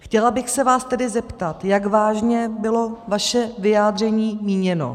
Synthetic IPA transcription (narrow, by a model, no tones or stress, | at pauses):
xcɛlabɪxsɛvaːst̪ɛdɪzɛpt̪at̪jaɡvaːʒɲɛbɪlo̞vaʃɛvɪjaːd̪r̝ɛɲiːmiːɲɛno̞̰